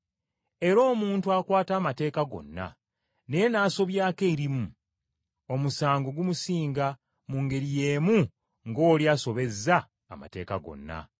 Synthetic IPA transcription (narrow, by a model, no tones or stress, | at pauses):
e̞ɾo̞ːmuːntuakwaːtaːmate̞ːkaɡo̞̰nːa̰ | ne̞je̞naːso̞βjaːke̞iɾimu | o̞musaːŋɡo̞ɡumusiːŋɡa | muŋɡe̞ɾije̞ːmu | ŋɡo̞ːliaːso̞βe̞zːaː | ma̰te̞̰ːkaɡo̞̰nːa̰